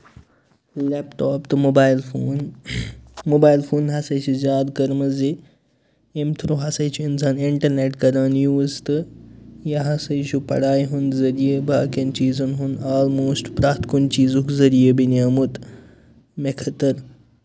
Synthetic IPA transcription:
lɛpʈoːpt̪ɨmobaːjlfoːn | mobaːjlfʰuːnɦɐsɐjt͡ʃʰuzʲjaːd̪kɐɾmɐze | emt̪ʰɾuɦɐsɐjt͡ʃʰuinsaːniɳʈɐɾneʈkɐɾaːnjuːzt̪ɨjɐɦɐsɐjt͡ʃʰupɐ̰ɽaːjɦunzɐɾijebʱaːkɐnt͡ʃiːzunɦunaːlmoːsʈpɾaːt̪kunt͡ʃiːzukzɐɾijebinaːmut̪ | mekʰɐt̪ɐɾ

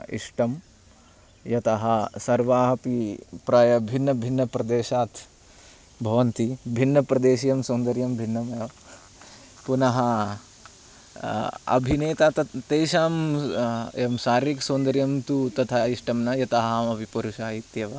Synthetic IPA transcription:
ḭʂʈɐm | jɐt̪ɐɦɐsɐɾʋaːɦɐpipɾajɐbʱinːɐbʱinːɐpɾɐd̪eːʃaːt̪ʰ | bʱɐʋɐnt̪ibʱinːɐpɾɐd̪eːʃijɐmsoːnd̪ɐɾjɐmbʱinːɐmɐjɐ | punɐɦɐ | ɐ̰bʱineːt̪aːt̪ɐt̪ːeːʃaːm | emʃaːɾʋiksoːnd̪ɐɾjɐmt̪ut̪ɐt̪ʰaiʂʈɐmnɐjɐt̪ɐɦaːmɐbʱipɐɾuʃaːɦit̪jɐʋaː

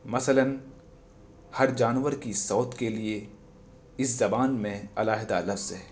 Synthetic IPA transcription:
mɐsələn | hɐɾd͡ʒaːnʋəɾkisɔːt̪kelie | ɪszɐbaːnmẽɐlaːɦɪd̪alɐfz̥ɦɛː

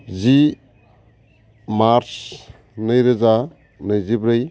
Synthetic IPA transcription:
zi | maɾs | nɯjɾɯza | nɯjzibɾɯj

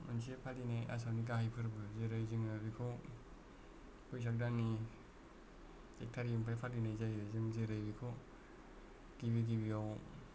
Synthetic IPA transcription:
mansipʰalinaja̰sawnik̬ahajpʰɯɾbɯzeɾɯjziŋabikʰo | pʰujs̬ak̚dani | ek̚tʰaɾimpʰajpʰalinajzajɯzɯŋzeɾɯjbikʰo | ɡiβiɡibiaw

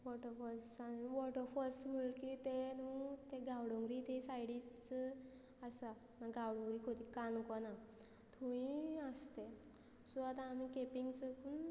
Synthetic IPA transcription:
ʋɔʈəfɔsamiʋɔʈəfɔsm̤əɭkit̪enut̪eɡʱawɽũŋɡɾit̪esajɽit͡s | əsa | maɡʱawɽɔ̃ŋɡɾikʰot̪ikankɔna | t̪ʰuĩəst̪e | suat̪amikepiŋɡt͡səkun

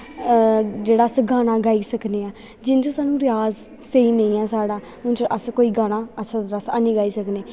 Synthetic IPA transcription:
d͡ʒeːɽaːsɡaːnaːɡaːiːsəkneːaː | d͡ʒɪnt͡ʃəsaːnũːɾɪjaːz | seiːnə̃ĩːɛːsaːɽaː | ʊnt͡ʃʔəskoːiːɡaːɽ̃aːəʃʰaɾəsa̰ːnĩːɡaːiːsəkneː

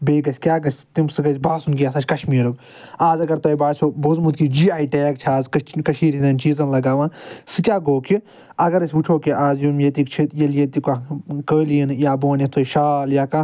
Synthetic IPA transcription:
beːɡɐsʲkʲjaːɡɐsʲt̪imsɨɡɐsʲbaːsunkijaːsʰɐt͡ʃʰkɐʃmiːɾok | aːzɐɡɐɾt̪oːjbaːsʰʲoːboːzmut̪kid͡ʒiːaːiʈeːk̚t͡ʃʰaːzkkɐʃiːɾizɐːnt͡ʃiːzɐnlɐɡaːʋãːsɨkʲaːɡoːki | ɐɡɐɾɐsʲut͡ʃʰoːkiʔaːzjumjet̪ikt͡ʃʰit̪jɐljet̪ikakəːliinjaːboːnet̪ʰoːʃaːljaːka

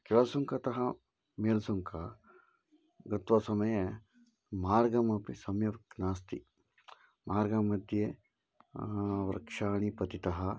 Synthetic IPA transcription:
kiʋɐːsuŋkɐt̪ɐɦɐ | meːlsuŋkʰɐ | ɡɐt̪ʋɐsɐmɐjɐ | maːɾɡɐmɐpisɐmjɐknaːst̪i | maːɾɡɐmɐd̪ʱje | ʋɾɐ̰kʂaːɳipɐt̪it̪ɐɦɐ

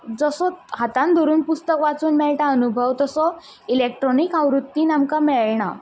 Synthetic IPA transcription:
d͡zəsɔɦat̪ãnd̪ʱɔɾuːnpust̪əkʋat͡suːnmɛɭʈãənubʱəwt̪əsɔ | ilek̚ʈɾɔnikawɾut̪ːinamkamɛɭɳa̰

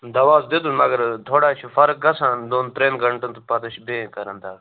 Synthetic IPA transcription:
d̪ɐʋaːzd̪ed̪uːnmɐɡəɾt̪ʰoːɽaːt͡ʃʰufɐɾk̚ɡɐsãːd̪oːnt̪ɾeːnɡəɳʈənt̪upɐt̪əʃbẽːkəɾənd̪aː

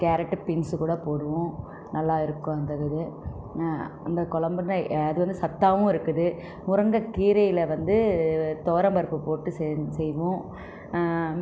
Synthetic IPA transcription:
kaːɾɐʈːɯpɪnsɯkuːɽɐpoːɽɯʋʊ̃ | nɐlːaːɪɾɯkːʊ̃ɐnd̪ɐɣɯðɯ | ɐnd̪ɐkɔlɐmbɐnɐɐðɯʋɐnd̪ɯsɐt̪ːaːʋʊ̃ɪɾɯkːɯðɯ | mʊɾɐŋɡɐkiːɾɐjɪlɐʋɐnd̪ɯt̪oːɾɐmbɐɾɯpːɯpoːʈːɯsɛsɛjʋʊ̃

